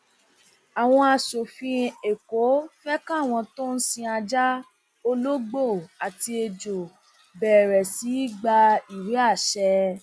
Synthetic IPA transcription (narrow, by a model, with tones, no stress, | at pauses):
a˨w̃ɔ̃˧a˧ʃo˨fĩ˧e˨ko˨˦fɛ˦kã˦˨w̃ɔ̃˧to˦n̩˦sĩ˧a˧d͡ʒa˦ | o˧lo˦ɡ͡bo˦˨a˨ti˧e˧d͡ʒo˨ | bɛː˨ɾɛ˨si˨˦i˦ɡ͡ba˧i˨ɾi˨˦a˦˨ʃɛ˧